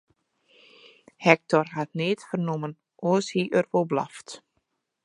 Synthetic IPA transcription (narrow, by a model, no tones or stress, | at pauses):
hɛk̚tʰɔrhat̚neːtfərnumən | ʔoəshiʔərʋobla̰ft